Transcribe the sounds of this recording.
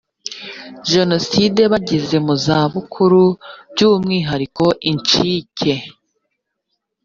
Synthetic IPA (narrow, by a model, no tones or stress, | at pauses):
ʒe̞no̞side̞βaɟize̞muzaːβukʰuɾubɟuːmŋiːɦaɾiko̞ʔiɲt͡ʃiːcʰe̞